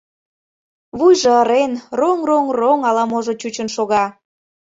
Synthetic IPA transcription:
βujʒɤ̆əɾenroŋroŋroŋɑlɑmoʒot͡ɕut͡ɕənʃoɣɑ

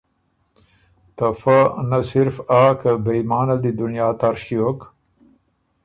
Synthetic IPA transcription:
t̪afanasɪɾfaːkabejmɑːnald̪id̪ʊnjɑːt̪aɾʃiok

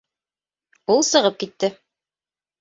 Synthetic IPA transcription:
ulˠsɤ̆ʁɤp̚kit̪ːɘ

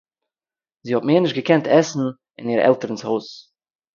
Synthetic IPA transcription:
ziːhɔt̚meːɾnɪʃtɡəkʰɛntʰɛsn̩ | ɪniːɾɛ̰lˠtəɾən̩shoʊs

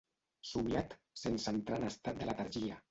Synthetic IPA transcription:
suβjat̪ | sensant̪ɾanast̪at̪̚d̪elat̪aɾʒia

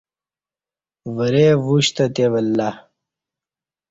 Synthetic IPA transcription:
wɐɾevuɕt̪ɐt̪eʋɐlːa

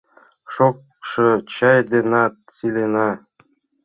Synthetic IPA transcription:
ʃok | ʃɤ̆t͡ɕɑjd̪enɑt̪silenɑ

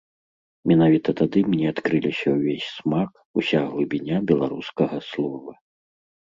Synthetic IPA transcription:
mʲɛnavʲit̪ɐt̪ad̪ɨmnʲɛat̪kɾɨlʲisʲɐwvʲesʲsmak | usʲaɣlˠubʲinʲabʲɛlˠaɾuskɐɣɐslˠɔvɐ

